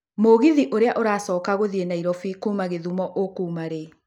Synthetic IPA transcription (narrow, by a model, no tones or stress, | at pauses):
moɣiðiʔoɾeaʔoɾaːsɔːkaɣoðienaiɾɔfikuːmaɣeðumɔʔokuːmaɾe